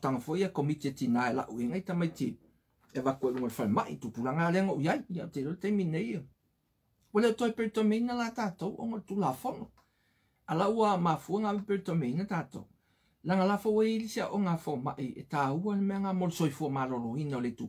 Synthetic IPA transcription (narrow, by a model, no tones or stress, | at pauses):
taŋafoʔiakomitietinaela̰ʔueŋajtamajti | evakueluŋolefalemaʔitupulaŋaleaŋoʔujajiaoteloletajmineja | waleʔotoepeɾitomeinalataːtowʔoŋoletulaːfono | alaʔuamafuaŋaepeɾitomeinataːto̰w | laŋalaːfoweilisia̰ʔoŋafomaʔiḛtaːualemeaŋamolosojfuamaːloloinaoletu